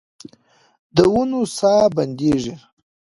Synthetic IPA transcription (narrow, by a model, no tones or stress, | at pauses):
d̪əwunusɑːband̪eʐi